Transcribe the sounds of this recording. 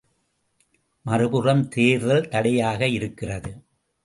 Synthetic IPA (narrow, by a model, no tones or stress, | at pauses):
mɐɾɯpɯrɐmt̪eːɾðɐlt̪ɐɽɐjaːɣɐɪɾɯkːɪrɐðɯ